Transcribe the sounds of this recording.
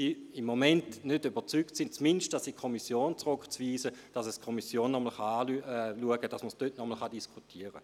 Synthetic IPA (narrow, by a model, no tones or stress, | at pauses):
siːimːomɛntnødybɐʁt͡syktsint͡smɪnʃtd̥asikʰomisjoːnt͡sʁʊkt͡sv̥iːsəd̥asɛskʰɔmisjoːnːɔməl̩χaaːluəɡəd̥asməsd̥øtnɔml̩χɑdiskʰutʰiːəʁə̰